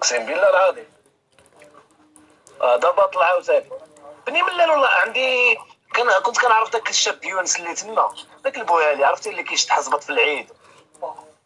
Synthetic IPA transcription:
qsimbilɑɾˤɑd̪i | ʔæd̪ɑbɑt̪ˤlɑʕawt̪æli | bəniməlːælwlːæʕənd̪ikænkʊnt̪kænəʕɾˤəfd̪ækəlʃːæbjunslːit̪ənːæd̪ækəlbujæliʕɾˤəft̪ilːikæʃt̪ħɑsbət̪ˤfilʕid̪

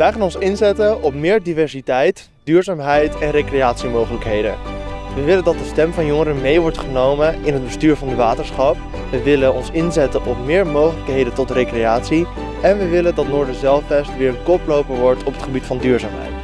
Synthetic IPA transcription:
ʋəjχaːnɔnsɪnzɛtəʔɔp̚mɪːɹdivɛɹsitɛjt | d̥yːɹzaːmɦɛjtɛnrejkrejaːtsimowχələkɦejdə̰ʋəʋɪləndɑt̚dəstɛmvɑnjɔŋəɾənmejʋɔɹtχənowmənɪnɦəd̚bəstyːɹvɑndəʋaːtəɹsχɑp | ʋəʋɪlənɔnsɪnzɛtənʔɔp̚mɪːɹmowχələkɦejdəntɔtrejkrejaːtsi | ɛnʋəʋɪləndɑtnʊːɹdəzɛlˠfbɛstʋɪːɹənkɔplowpəɹʋɔɹtʰɔpətχəbitfɑndyːɹzaːmɦɛ̰jt

